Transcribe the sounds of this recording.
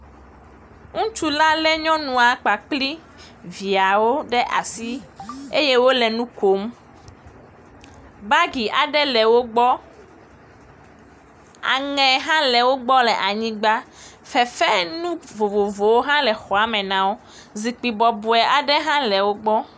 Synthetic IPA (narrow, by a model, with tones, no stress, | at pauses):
ŋũ˦t͡ʃu˦la˦lɛ˦ɲɔ̃˦nũ˨a˨k͡pa˨k͡pli˦ | vi˨a˨wo˦ɖɛ˦ʔa̰˨si˦e˦je˦wo˦lɛ˨nũ˦ko˨˦m | ba˦ɡi˨ʔa˨ɖɛ˦lɛ˨wo˦ɡ͡bɔ˦ | a̰˨ŋɛ̃˨ɦã˦lɛ˨wo˦ɡ͡bɔ˦lɛ˨ʔa˨ɲĩ˦ɡ͡ba˦ | fɛ˨fɛ˦nũ˦vo˨vo˨vo˨wo˦ɦã˦lɛ˨xɔ˨a˨mɛ̃˨nã˨wo˦ | zi˨k͡pi˨bɔ˨bu˨ɛ˨ʔa˨ɖɛ˦ɦã˦lɛ˨wo˦ɡ͡bɔ˦